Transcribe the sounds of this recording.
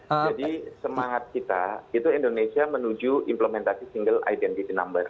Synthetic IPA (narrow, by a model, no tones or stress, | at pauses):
d͡ʒadisəmaŋat̪̚kit̪ait̪uindonesiamənud͡ʒuʔimpləmɛnt̪asisiŋɡəla̰idɛnt̪it̪ina̰mbər